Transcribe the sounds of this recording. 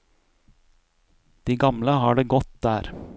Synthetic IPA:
d̪̥iːɡɑmləhɑːɖeːɡɔt̪̚d̪æːɾ

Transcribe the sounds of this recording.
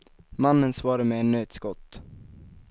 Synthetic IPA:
manːənsvɑːɾaəmɛːnøːt̪skɔt̪ː

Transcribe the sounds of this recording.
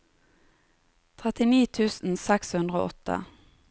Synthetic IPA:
t̪ʰʁɛt̪ɪniːt̪ʰʉːsn̩sɛkshʉnd̪ʁəo̰ːʔɔt̪ə̰

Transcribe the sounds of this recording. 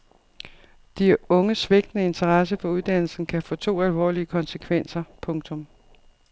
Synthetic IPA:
d̥iɔ̽ŋəsʋeɡ̥̚d̥nəe̝nt͡sʰɐʁɑs̬əfɒ̽uðˠd̥æn̰l̩sn̩kʰæfɔ̰̽ːt͡sʰo̝̰ːælʋɒ̰ːliəkʰɒ̽nsəkʰʋen̰sɐpʰɔ̽ŋt͡sʰɔ̽m

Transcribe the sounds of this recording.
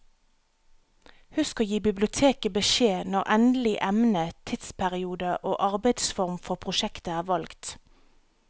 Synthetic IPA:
hʉskɑjiːbɪblɪʊt̪ʰeːkəbəʃeːnɔʁʔɛnd̪əlɪʔɛmnət̪ʰɪt̪spʰæʁɪuːd̪əʔoːʔɑʁbɛɪd̪sfɔʁmfɔʁpʰʁʊʃɛkt̪əæːʁʋɑlɡt̪

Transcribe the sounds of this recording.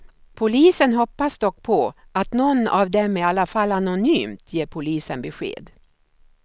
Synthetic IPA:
pʰʊliːsənɦɔpːasd̪ɔkːpʰɔʔat̪nɔnːa̰vd̪ɛmæɾalːafalanʊnyːmt̪ʰjeːɾpʰʊliːsənbɛɧḛːd̪

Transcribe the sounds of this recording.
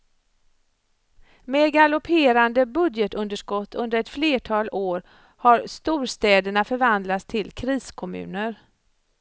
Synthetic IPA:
meːd̪ɡalɔpʰeːɾand̪əbɵd̪jət̪ɵnd̪əʂkɔt̪ʰːɵnd̪əɾɛt̪fleːʈʰɑːloːɾ | haɾst̪uːɾst̪ɛːd̪əɳafœɾvand̪lat̪st̪ʰɪlkʰɾiːskʰɔmʉ̰ːnəɾ

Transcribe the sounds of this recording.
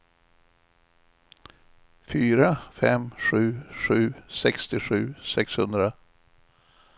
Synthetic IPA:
fyːɾafɛmɧʉ̟ːʂʉ̟ːsɛkst̪ɪɧʉ̟ːsɛkshɵnd̪ɾa

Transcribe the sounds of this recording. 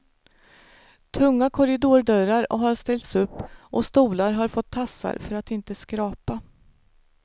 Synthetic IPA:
t̪ʰɵŋːakʰɔɾɪd̪uːɖœɾaɾɔɦaɾst̪ɛlt̪sɵpːʔɔst̪uːlaɾɦaɾfɔt̪ʰːasːa̰ɾfœɾat̪ɪnt̪əskɾɑːpa

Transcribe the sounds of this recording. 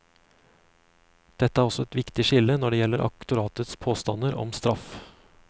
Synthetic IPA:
d̪̥ɛt̪ːəæːɾɔsɔɛt̪ʋɪkt̪ɪʃɪlənɔɖeːjɛləɾʔɑ̰kt̪ʊɾɑːt̪ət̪spʰoːst̪ɑnəɾɔ̰mst̪ɾɑf

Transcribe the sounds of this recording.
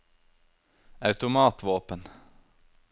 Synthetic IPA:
ɑʉt̪ʊmɑːt̪ʋoːpən

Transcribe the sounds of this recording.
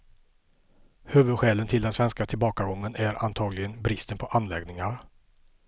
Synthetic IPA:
høːvɵd̪ɧɛːlənt̪ʰɪld̪ɛnsvɛnskat̪ʰɪlbɑːkaɡɔŋːənæɾʔa̰nt̪ʰɑːɡlɪɡənbɾɪst̪ənpʰɔʔanlɛɡnɪŋaɾ

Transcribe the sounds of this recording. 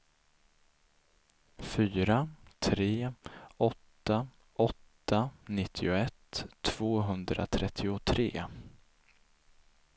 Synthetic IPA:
fyːɾat̪ʰɾeːɔt̪ːa | ʔɔt̪ːanɪt̪ʰːɪʊɛt̪ʰːv̥oːɦɵnd̪ɾa̰t̪ʰɾɛt̪ʰːɪʊt̪ʰɾḛː

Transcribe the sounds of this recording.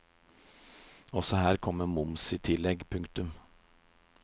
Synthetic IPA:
ɔsɔhæːɾkʰɔmːəmʊmsɪt̪ʰɪlɛɡpʰʉŋkt̪ʉm

